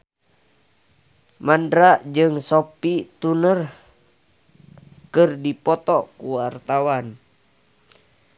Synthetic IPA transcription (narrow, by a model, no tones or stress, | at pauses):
mandɾaʔd͡ʒɨŋsopit̪unər | kɨrdipɔt̪ɔkuwart̪awan